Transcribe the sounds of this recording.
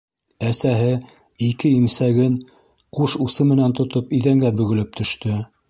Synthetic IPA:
æsæɦɘ | ikɘimsæɡɘn | quʃusɤmɘ̆nænt̪ŏt̪opiðæŋɡæbɵ̆ɡɘ̆lɘp̚t̪ʰɵ̆ʃt̪ɵ

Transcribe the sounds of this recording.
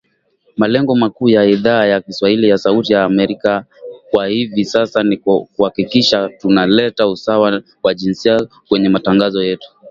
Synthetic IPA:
malɛŋɡɔmakuːjaiðaːjakiswahilijasautijaːmɛɾika | kwahivisasanikuhakikiʃatunalɛtausawa | waʄinsia | kwɛɲɛmataŋɡazɔjɛtu̥

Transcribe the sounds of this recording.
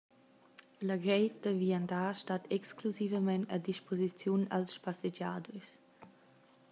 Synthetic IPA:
laɡɾɛjtəviandaʃtatɛkskluzivəmɛntadiʃpozit͡sjuna̰lspased͡ʒaːdus

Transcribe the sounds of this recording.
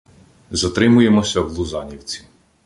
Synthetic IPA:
zɐt̪ɾɪmʊje̞mɔsʲɐwlˠʊzɑnʲiwt͡sʲi̥

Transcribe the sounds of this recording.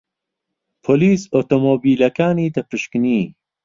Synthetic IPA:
pʰoliːsot̪omobiːlɐkaːniːt̪ɐpɨʃkniː

